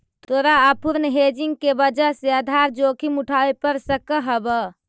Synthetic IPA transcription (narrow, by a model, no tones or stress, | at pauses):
t̪oɾaəpuɾnɦed͡ʒiŋɡ̚kebəd͡ʒəseəd̪ʱaɾd͡ʒokʰimuʈʰabepəɾsəkəɦəbə